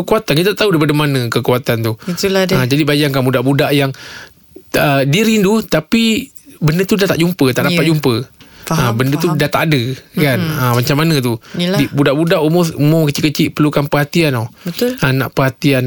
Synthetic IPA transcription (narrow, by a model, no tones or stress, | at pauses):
əkuat̪ankit̪at̪aʔt̪aɦudaipadəmanə̃kəkuat̪ant̪ut̪uəd͡ʒadibajaŋkanbudaʔbudaʔjaŋ | ədiəɾindut̪api | bəndət̪udat̪a̰ʔd͡ʒumpət̪aʔdapat̪̚d͡ʒumpəəbəndət̪udat̪a̰ʔːdəkanəmat͡ʃamːanə̃t̪udibudaʔbudaʔumʊsumʊkət͡ʃiʔkət͡ʃiʔpərlukanpəɦat̪ianobət̪ana̰ʔpəhat̪ian